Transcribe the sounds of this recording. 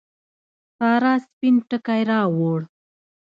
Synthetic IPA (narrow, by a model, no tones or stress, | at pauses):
tɑːɾɑːspinʈəkajɾɑwoɽ